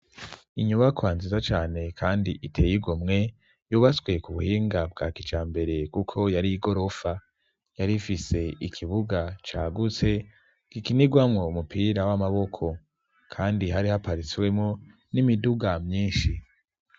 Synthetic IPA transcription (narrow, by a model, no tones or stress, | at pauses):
iɲuβakwaːnzizat͡ʃaːne̞kʰaːndiʔitʰe̞ːjiɡomŋe̞ | juːβaswe̞kuβuhiːŋɡab̚ɡaːkit͡ʃaːmbe̞ɾe̞kukʰo̞jaɾiɡo̞ɾo̞fa | jaɾifise̞ikʰiβuɡat͡ʃaːɡut͡se̞ | ɡ̥ikiniɡwamŋo̞umupʰiɾawamaβo̞kʰo̞ | kʰaːndiɦaɾihapaɾit͡siwe̞mŋo | nimiduɡamɲiːnʃi